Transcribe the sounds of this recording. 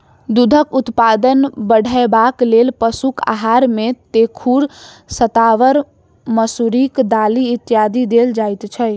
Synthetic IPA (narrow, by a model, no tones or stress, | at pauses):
d̪ud̪ʱəkut̪pad̪ənbəɽ̤ʱəebaklelpəsuka̰ɦaɾmet̪ekʰuɾ | sət̪aʋəɾ | məsuɾikd̪aliːt̪jad̪id̪eld͡ʒajt̪t͡ʃʰə